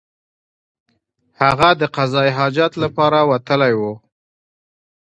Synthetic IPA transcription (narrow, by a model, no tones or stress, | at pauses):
haɣad̪əqazɑjɦɑd͡ʒat̪lapɑɾawat̪əlajwu